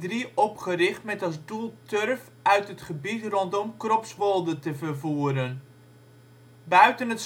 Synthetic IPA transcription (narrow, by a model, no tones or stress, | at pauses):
driʔɔpχərɪχtmɛtɑsdulˠtørf | œɥtətχəbitrɔntɔmkrɔpsʋolˠdətəvərvuəɾən | bœɥtənəts